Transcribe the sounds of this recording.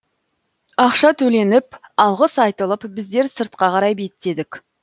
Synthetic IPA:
ɑqʃɑt̪ʰɵle̞nɪpɑlˠʁəsɑjt̪əlˠəpbɪzd̪e̞ɾsəɾt̪̚qɑqɑɾɑjbe̞t̪t̪e̞d̪ɪk

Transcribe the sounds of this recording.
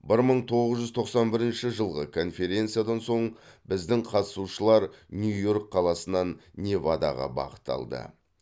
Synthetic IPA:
bɪɾməɴt̪ʰo̞ʁəzʒʏzt̪ʰo̞qsɑnbɪɾɪnʃɪʒəlˠʁəkʰo̞nfʲe̞ɾʲe̞nt̪sijad̪ɑnso̞ɴbɪzd̪ɪŋqʰɑt̪ə̥suʃəlˠɑɾnʲujo̞ɾk̚qʰːɑlˠɑsənɑnːʲe̞vɑd̪ɑ̰ʁɑ̰bɑ̰qə̥t̪ːɑ̰lˠd̪ə̰

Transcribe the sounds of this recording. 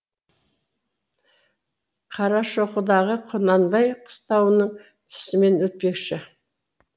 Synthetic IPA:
qʰɑɾɑʃoqəd̪ɑʁəqʰonɑnbɑjqʰə̥st̪ɑwənəɴ | t̪ʰʏ̥sɪme̞nwɵt̪̚pe̞kʃɪ

